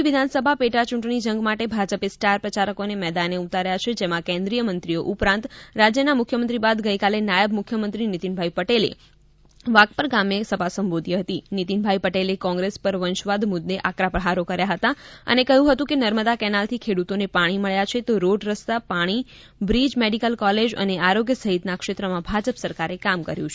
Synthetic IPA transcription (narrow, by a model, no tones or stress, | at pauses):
ʋid̪ʱansəbʱapeʈat͡ʃuʈɳ̃id͡ʒəŋɡmaʈebʱad͡ʒəpesʈaɾpɾət͡ʃaɾəkonemɛd̪aneut̪aɾjat͡ʃʰed͡ʒemãkɛ̃nd̪ɾijəmənt̪ɾioʔupɾãnt̪ɾad͡ʒjənamʊkʰjəmə̃nt̪ɾibad̪ɡəjkalenajəbmʊkʰjəmənt̪ɾinit̪inbʱaipəʈelḛ | ʋakpəɾɡamjesəbʱasəmbod̪jəɦət̪init̪inbʱaipəʈelekɔ̃ŋɡɾespəɾʋənʃʋad̪mʊd̪ːeʔakɾapɾəɦaɾokəɾjaɦət̪aə̰nekəɦũɦət̪ũkenəɾməd̪akɛnalt̪ʰikʰeɽut̪onepaɽ̃iməɭjat͡ʃʰet̪oɾoɖɾəst̪apaɽ̃i | bɾid͡ʒmeɖikəlkɔled͡ʒə̰neaɾoɡjəsəɦit̪nakʃet̪ɾəmãbʱad͡ʒəpsəɾkaɾekamkə̰ɾjũt͡ʃʰe